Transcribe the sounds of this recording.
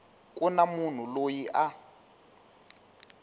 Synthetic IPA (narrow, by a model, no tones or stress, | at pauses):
kʼunamun̤ulojiʔa